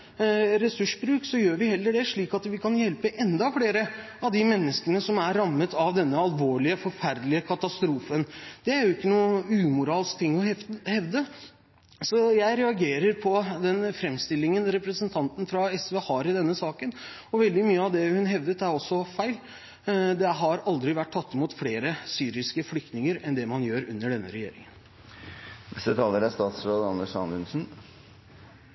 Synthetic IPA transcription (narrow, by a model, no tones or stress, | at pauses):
ɾɛsʉʂbɾʉːksɔjøːɾʋɪhɛlːəɖɛʂɭiːkɑt̪ʋɪkʰɑnjɛlpəʔɛnd̪ɑflɽeːɾə | ɑʋd̪ɪmɛnːəskənəsɔmæɾːɑmːət̪ʰɑʋd̪ɛnːəɑlʋoːɭɪəfɔɾfæɾd̪lɪəkʰɑt̪ɑst̪ɾuːfənd̪̥ɛæɾjʊɪkːənuːəʉːmʊɾɑːlskt̪ʰɪŋːɔhɛʋd̪ə | sɔjæɪɾɛɑɡeːɾəɾpʰɔd̪ɛnfɾɛmːst̪ɪlːɪŋənɾɛpɾəsənt̪ʰɑnt̪n̩fɾɑɛsʋɛhɑːɾɪd̪ɛnːəsɑːkən | ɔʋɛld̪ɪmyːəɑʋd̪ɛhʉnɦɛʋd̪ət̪æɾɔsːɔfæɪl | d̪ɛɦɑɾɑld̪ɾɪʋæʈ̚ʰːɑt̪ːɪmuːt̪fleːɾəsyːɾɪskəflʏk̚t̪nɪŋəɾɛnd̪ɛmɑnjøːɾʉ̰nːəɖɛnːə̰ɾɛjḛːɾɪ̰ŋən | nɛst̪ət̪ʰɑːləɾæst̪ɑːt̪sɾoːd̪ɑnəʂɑ̰nʉnsn̩